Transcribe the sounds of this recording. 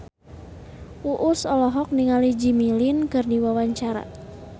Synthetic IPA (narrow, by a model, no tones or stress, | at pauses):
uʔʊsɔlɔɦɔk̚niŋalid͡ʒimilinkɨrdiwawaɲt͡ʃaɾa̰